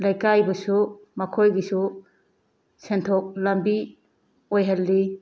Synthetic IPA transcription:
lajkajbɐsu | mɐkʰojɡisu | sentʰok̚lɐmbi | ojɦalːi

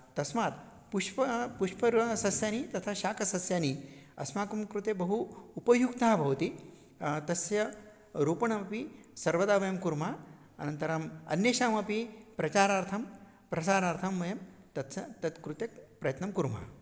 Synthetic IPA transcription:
t̪ɐsmaːt̪̚ | puʃpɐpuʂpɐɾɐsɐsjaːnit̪ɐt̪ʰaʃaːkɐsɐsjaːniɐ̰smaːkɐmkɾut̪ebɐɦuːpɐjukt̪aːbʱɐʋɐt̪i | t̪ɐsjɐ | ɾuːpɐɳɐmɐpisɐɾʋɐd̪aːʋɐjɐmkuɾmaː | ɐ̰nɐnt̪ɐɾamɐ̰nːjeːʃaːmɐpipɾɐt͡ʃaːɾaːɾt̪ʰɐm | pɾɐsaːɾaːɾt̪ʰɐmːɐjɐmt̪ɐt̪sɐt̪ɐt̪kɾut̪jɐkpɾɐjɐt̪nɐmkuɾm̤a̰ː

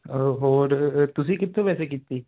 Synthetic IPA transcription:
ɦɔːɾt̪ʊs̬ĩkɪt̪ʰːõʋɛːsekit̪ːiː

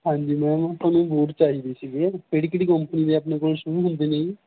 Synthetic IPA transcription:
ɦãːɲd͡ʒiːmɛ̃ːt̪əːnũːboːɾt͡ʃaːɦiːd̪iːsiːɡeːpeːɽiːkɪɽiːkəmpəniːd̪eːəpneːkoːlʃʊɾuːɦʊ̃nd̪eːneːĩː

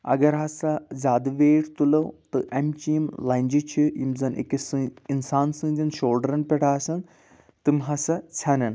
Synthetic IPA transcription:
ɐ̰ɡɐɾɦɐsɐzʲaːd̪ɐʋeːʈt̪ulɐwt̪ɨʔɐmt͡ʃiimlɐnʲd͡ʒit͡ʃʰijimzɐnʔḛkisɨinsaːnsɨ̃ːd̪ʲinʃoːlɖɾɐnpʲɛʈʰaːsɐn | t̪ɨmʲɦɐsɐt͡sʰɐnɐn

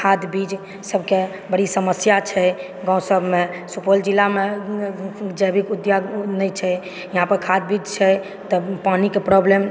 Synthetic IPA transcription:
kʰad̪bid͡ʒ | səbke | bəɽisəməsjat͡ʃʰɛ | ɡãw̃səbʱmesupold͡ʒilːame | d͡ʒəjbikud̪janɛjt͡ʃʰɛ | jəɦãpəɾkʰad̪̚bid͡ʒt͡ʃʰɛ | t̪ɔpanikepɾɔblem

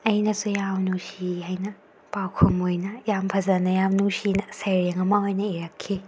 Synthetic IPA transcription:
ɐjnɐsujamnusiɦajnɐ | pawkʰumojnɐjampʰɐzɐnɐjamnusinɐsejɾeŋɐmaojnɐeɾɐkʰːi

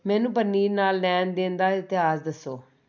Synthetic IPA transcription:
mɛ̃ːnũːpənːiːnaːlːɛːnd̪ẽːnd̪aːɪt̪ɪaːsd̪əsːoː

